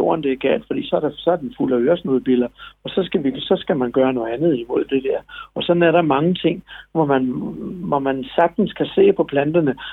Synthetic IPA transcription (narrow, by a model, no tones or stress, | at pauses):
o̝̰ːɐnd̥e̝ɡ̥ɛ̰ːld̥fɒd̥ḭːsɒ̽æɐɾɑsɒ̽æɐd̥enfuləøːɐsnoðˠb̥ilɐɒ̽sɒ̽sɡ̥æʋisɒ̽sɡ̥æmænɡ̥ɶːɐnɔ̽ð̩ˠænð̞̩ˠimo̝ð̞̰ˠd̥e̝d̥eɐ̰ɒ̽sɒ̽næɐɾɑ̈mɑ̈ŋət͡sʰe̝ŋ̰ʋɒmænʋɒmænsɑ̈ɡ̥̚d̥n̩skʰæse̝̰ːpʰɒ̽pʰlænd̥ɐnə